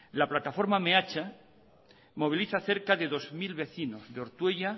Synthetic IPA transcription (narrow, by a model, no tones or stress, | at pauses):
laplat̪afo̞ɾmameat͡ʃa | mo̞β̞iliθaθe̞ɾkaðe̞ðo̞zmilβe̞θino̞zðeo̞ɾt̪weʎa